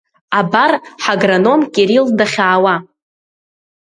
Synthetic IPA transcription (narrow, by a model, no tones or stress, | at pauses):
abarħaɡrano̞mkʲʼeɾildaχʲaːwa